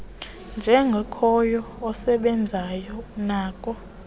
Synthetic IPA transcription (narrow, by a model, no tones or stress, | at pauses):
nd͡ʒʱɛŋɡʱɛkʰɔjɔ | ɔsɛɓɛnd͡zʱajɔunaːkʼɔ